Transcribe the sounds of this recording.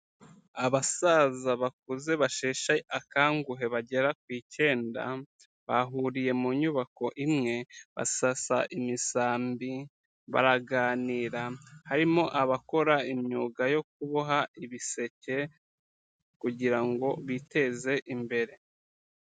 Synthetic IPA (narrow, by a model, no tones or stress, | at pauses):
aβasazaβak̚uze̞βaʃeːʃaʔakaːŋɡuɦe̞βaɟe̞ɾakwiːce̞ːnda̰ | βaɦuɾije̞muɲuβako̞ʔimŋe̞βa̰sasaʔimisaːmbi | βa̰ɾaɡaːniːɾahaɾimo̞ʔaβako̞ɾaimɲuːɡajo̞k̚uβoɦaiβise̞ce̞ | kuɟiɾaŋɡo̞βite̞ze̞ʔimbe̞ɾe̞